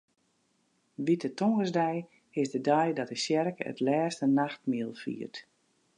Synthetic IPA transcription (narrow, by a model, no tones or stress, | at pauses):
ʋitətoŋɡəsdɛj | hɪsdədajdɔtəsjɛrkə̰tlɛːstənaxtmiəlˠfḭːərt